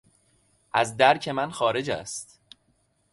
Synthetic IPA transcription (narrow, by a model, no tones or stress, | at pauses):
ʔæzd̪æɾcʰe̞mænxɒːɾe̞d͡ʒæ̰st̪